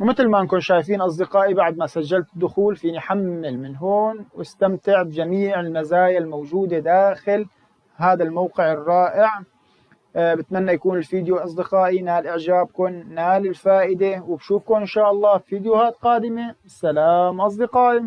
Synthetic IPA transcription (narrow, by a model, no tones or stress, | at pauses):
wmɪt̪lmaʔɪnkʊnʃaːjfiːnʔɑs̬ˤd̪ɪqɑːʔibaʕd̪̚masaʒːalt̪ɪd̪ːʊxuːlfiːniħamːɪlmɪnɦoːnwɪst̪amt̪ɪʕbɪd͡ʒamiːʕɪlmazaːjalmawʒuːd̪ed̪aːxɪl | ɦaːd̪almawqɪʕɪrˤːɑːʔɪʕ | bɪt̪manːajakuːnɪlfiːd̪julʔɑs̬ˤd̪ɪqɑːʔinaːlʔɪʕʒaːb̚kʊnːaːlɪlfaːʔɪd̪ewɪbʃuːfkʊnʔɪnʃaːʔɑlˤːɑːfiːd̪ɪjʊhaːt̪qɑːd̪ɪme | salaːmʔɑs̬ˤd̪ɪqɑːʔi